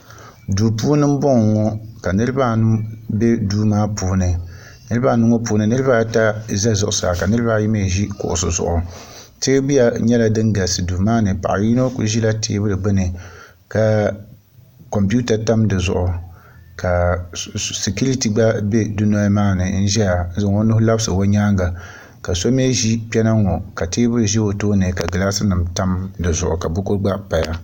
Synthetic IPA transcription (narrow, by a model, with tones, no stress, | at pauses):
duː˨puː˦nɨ˦m̩˦bɔ˦ŋ˨ŋɔ˦ka˨nɨ˦ɾɨ˦baː˦nu˦be˦duː˦maː˦puː˨˦nɨ˨ | nɨ˦ɾɨ˦ba˦˨nu˦ŋɔ˦puː˨˦nɨ˨nɨ˦ɾba˦ta˦za˦zʊ˨ʔʊ˨sa̰˨ka˨nɨ˦ɾɨ˦ba˦ji˦me˦˨ʒi˦kʊ̰˨ʔʊ˨sʊ˨zʊ̰˨ʔʊ˨ | teː˦bi˦ja˨ɲɛ˦la˦dɨ˦ŋɡa˨sɨ˨duː˨maː˦nɨ˨pa̰˨ʔa˨ji˦no˦kṵ˨˦ʒi˦la˦tʰḛː˦bɨ˦ɾɨ˨ɡ͡bɨ˦nɨ˨ | ka˨ | kɔ˨mpu˦ta˨ta˦mdɨ˨zʊ̰˨ʔʊ˨ | ka˨ | se˨ku˦ɾi˦ti˨ɡ͡ba˦be˦du˦no˦maː˦nɨ˨n̩˦ʒɛ˦ja˨n˦zɨ˨ŋo˦nʊ˦hʊ˦la˦bsɨ˨wo˦ɲaː˦ŋɡa˨ | ka˨so˦me˦ʒi˦pʲɛ˦na˦ŋɔ˨ka˨teː˦bɨ˦ɾɨ˨ʒɛ˦o˨toː˦nɨ˨ka˨ɡɨ˨laː˦sɨ˦nɨ˨mta˦mdɨ˨zʊ̰˨ʔʊ˨ka˨bʊ˦kʊ˦ɾɡ͡ba˦pa˨ja˦